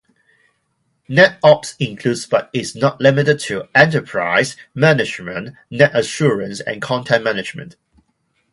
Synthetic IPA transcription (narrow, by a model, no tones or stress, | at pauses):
nɛtɔpsɪ̃ŋkʰl̥udzb̥ʌtɪznəʔlɪmɪtɪd̚tʰəɛ̃ntəpʰɹ̥a̰ɪzmænɪd͡ʒmə̃n | nɛtəʃuːɹə̃nsə̰̃nkʰɔ̃ntʰɛ̃nmænɪd͡ʒmə̰̃nʔ